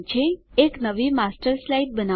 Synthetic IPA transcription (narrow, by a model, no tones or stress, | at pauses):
t͡ʃʰeːknəʋimasʈəɾslajʈ̚bəna